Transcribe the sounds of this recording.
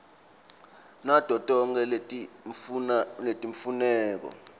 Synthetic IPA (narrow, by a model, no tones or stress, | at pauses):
nad̥ʱɔtʼɔŋɛ | letʼiɱfunɛːk̬ɔ̰